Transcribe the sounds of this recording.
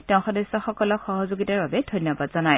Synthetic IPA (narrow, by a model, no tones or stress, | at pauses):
tɛʊ̃xɔdɛsɔxɔkɔlɔkxɔɦɔzoɡitaɹbabɛdʱɔjnːɔbadz̥ɔnaj